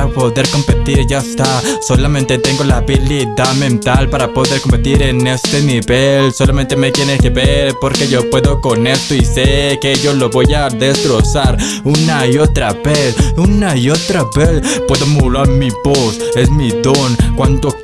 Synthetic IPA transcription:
apo̞ðe̞ɾko̞mpe̞t̪iɾʝaest̪aso̞lamẽ̞nt̪e̞t̪e̞ŋɡo̞laβiliðamẽ̞nt̪alpaɾapo̞ðeɾko̞mpe̞t̪iɾene̞st̪e̞niβelso̞lamẽnt̪e̞mekjenelkeβeɾpo̞ɾke̞ʝo̞pwe̞ðo̞kone̞st̪oisekeʝo̞lo̞βo̞jaðe̞st̪ɾo̞saɾ | unaio̞t̪ɾaβesunaio̞t̪ɾaβespwe̞ðo̞mulaɾmiβose̞smiðo̞ŋkwant̪o

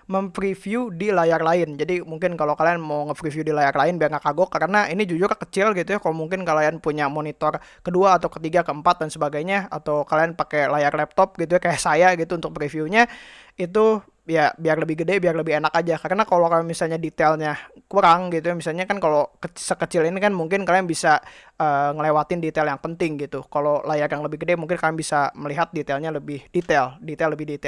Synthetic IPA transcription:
məmfɾifiudilajarlaɪnd͡ʒadimuŋkɪnkalokalianmawŋəfɾifjudilajarlaɪnbiarŋakaɡɔkaɾənaʔinid͡ʒud͡ʒʊrkət͡ʃɪlɡit̪ujakalomuŋkɪnkalianpuɲamonit̪ɔrkəduaːt̪awkət̪iɡakəəmpat̪̚dansəbaɡajɲaat̪awkalianpakelajarlɛp̚t̪ɔp̚ɡit̪ujakajaʔsajaɡit̪unt̪ʊk̚pɾifiuɲa | it̪̬u | jabiarləbɪhɡədɛbiarləbɪhenakad͡ʒakaɾənakalokajamisalɲadit̪ɛlɲakuɾaŋɡit̪ujamisalɲakankalokəsəkət͡ʃɪlinikanmuŋkɪnkalianbisa | əːŋəlewat̪ɪndit̪ɛljaŋpənt̪ɪŋɡit̪ukalolajarjaŋləbɪhɡədɛmuŋkɪnkalianbisaməliɦat̪̚dit̪ɛlɲaləbɪhdit̪ɛldit̪ɛlːəbɪhdit̪ɛl

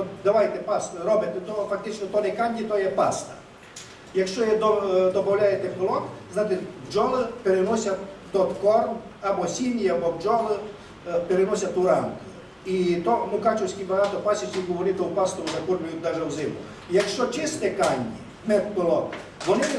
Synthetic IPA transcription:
ɔd̪aʋajt̪ɛpast̪ɾɔbɪt̪ɛt̪ɔfak̚t̪ɪt͡ʃnɔt̪ɔnɛkanʲːit̪ɔjɛpast̪ɐ̥ | jɐkʃt͡ʃɔjɛd̪ɔd̪ɔbɐwlʲajɛt̪ɛpɪlˠɔk̪znat̪ɪtʲwd͡ʒɔlˠɪpɛɾɛnɔsʲat̪d̪ɔt̪kɔrmabɔsʲinʲiabɔwd͡ʒɔlˠɪ | pɛɾɛnɔsʲat̪ʊɾank̪ʊ | it̪ɔmʊkat͡ʃɛwsʲkʲipɐɦat̪ɔpasʲit͡ʃʲiɡɔʋɔɾɪt̪ɔupast̪ɔuzɐkurmʲʊjʊt̪̚ʲd̪aʒɛwzɪmʊ̰ | jakʃt͡ʃɔt͡ʃɪst̪ɛkanʲːḭ | mɛt̪pɪlˠɔk̪ʋɔnɪ

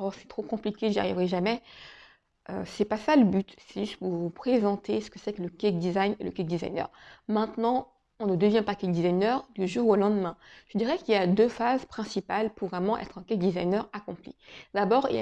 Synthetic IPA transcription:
ɔsɛ̥t̪χokɔ̃plikʲeʒa̰ʁivʁɛʒamɛ | ø̰sɛpasaləbyt̪sɛʒyst̪kvuvupχezɑ̃t̪esə̥kəsɛkləkʲɛk̚d̪izajnḛləkik̚d̪iza̰jnœ̰ʁmɛ̃t̪nɑ̃ | ɔ̃nəd̪əvjɛ̃pakʲɛk̚d̪izajnœʁd̪yʒuʁolɑ̃d̪mɛ̃ʒ̥əd̪iʁɛkiljad̪øfazpχɛ̃sipalpuʁvʁɛmɑ̃ʔɛ̰t̪χɛ̃kɛk̚d̪izajnœʁakɔ̃plḭd̪̥abɔːʁḭ

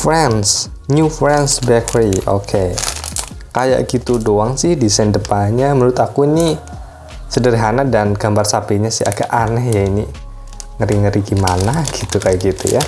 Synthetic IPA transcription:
fɾɛns | ɲufɾɛnsbɛkɾiʔo̰kʰe | kaja̰ʔɡit̪udoaŋsɪhdisajndəpaɲamənuɾʊt̪akuini | sədərɦanadanɡ̥ambarsapiɲasɪhaɡaʔanɛhjaini | ŋəɾiŋəɾiɡimanaɡ̥i̥t̪ukajaʔɡit̪ṵja̰

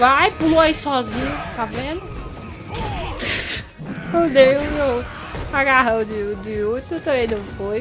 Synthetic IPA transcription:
vajpuloaisɔzĩɲʊt̪avẽd̪ʊ | od̪ejũmew | aɡaɦɐ̃w̃d̪ɪd̪ɪut̪set̪ɐ̃mẽj̃d̪ɐ̃w̃foj

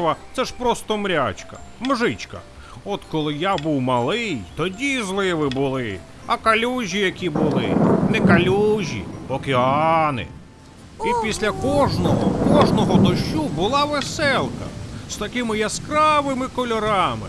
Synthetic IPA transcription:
ʋɐt̪sɛʃpɾɔst̪ɔmɾʲat͡ʃkɐ̥̰mʒɪt͡ʃkɐ̰ | ɔt̪kɔlˠɪjabuwmɐlˠɪjt̪ɔdʲizlˠɪʋɪbʊlˠɪ | ɐkɐlʲuʒʲijɐkʲibʊlˠɪ̰nɛkɐlʲuʒʲḭɔkʲeɑnɪ̰ | ipʲisʲlʲɐkɔʒnɔɦɔ̰kɔʒnɔɦɔd̪ɔʃubʊlˠɑʋesɛlˠkɐ̰st̪ɐkɪmɪjɐskɾɑʋɪmɪkɔlʲɔɾɑmɪ̰

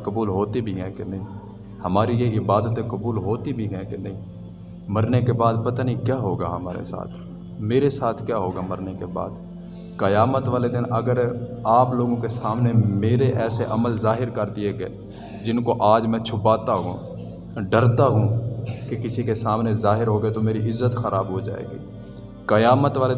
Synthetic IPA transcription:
kəbuːlɦoːt̪ibʱiɦɛ̃kenɐɦĩː | həmaːɾijeɪbaːd̪ət̪ekɐbuːlɦoːt̪ibʱiɦɛ̃kenɐɦĩː | məɾnekebaːd̪pət̪aːnikjaːɦoːɡa̰ɦəmaːɾḛsa̰ːt̪ʰ | meːɾesaːt̪ʰkjaːɦoːɡaməɾnekeba̰ːd̪ | kəjaːmət̪ʋaːled̪ɪnəɡəɾaːploːɡõkesaːmnemeːɾeʔɛːseʔɐməlzaːɦɪɾkɐɾd̪ieɡeː | d͡ʒɪnkoʔaːd͡ʒmɛ̃t͡ʃʰʊpaːt̪aɦṵ̃ | ɖɐɾt̪aɦũkekɪsikesaːmnezaːɦɪɾɦoːɡet̪omeːɾiʔɪzːət̪xɐɾaːbɦod͡ʒa̰ːḛːɡḭː | kɐjaːmət̪ʋaːle

